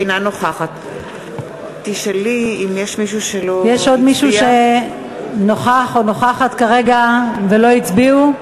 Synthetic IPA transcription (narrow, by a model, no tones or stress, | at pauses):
nanoχaχat̪ | tiʃeliimjeʃmiʃuʃelojeʃo̞d̪miʃuʃe | no̞χaχo̞no̞χaχat̪kaʁe̞ɡave̞lo̞it͡sbiu